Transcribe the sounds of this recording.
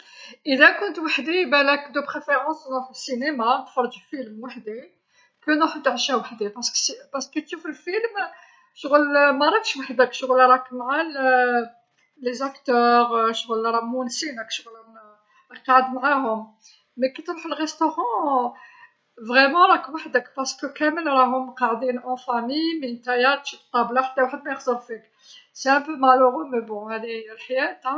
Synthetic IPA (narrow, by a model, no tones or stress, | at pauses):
ʔəd̪ækʊnt̪waħd̪ibælækd̪əpχefeʁɑ̃snɔtəsinemant̪fɑɾˤd͡ʒəlfilmwaħd̪i | kənəħəd̪ːʕʃæwaħd̪ipɑɾskspɑskːit̪ʃufilfilm | ʃɣəlmæɾˤɑkʃwaħd̪ækʃɣəlɾˤɑkmʕal | lezakt̪œʁʃɣlɾˤɑmunsinəkʃɣl | qɑʕəd̪mʕaɦʊm | mækət̪ɾuħəlʁɛst̪oʁɑ̃ | vʁɛmɑ̃ɾˤɑkwaħd̪əkpɑɾskəkæməlɾˤɑɦʊmqɑʕd̪inʔæ̃fæmijmint̪æjæt̪ʃit̪ˤːɑblaħt̪ːæwaħəd̪mæjəxzəɾfik | sæ̃pəmaʕluɣʊmebɔ̃hæd̪iælħjæt̪